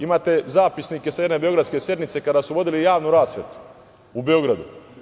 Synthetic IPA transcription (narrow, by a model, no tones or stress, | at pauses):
imaːt̪e̞zaːpisnike̞sajene̞beo̞ɡɾad̪ske̞sje̞d̪nit̪se̞kad̪asuʋo̞d̪ilijaːʋnuɾaːsʋḛt̪u̥ | ube̞o̞ɡɾad̪ṵ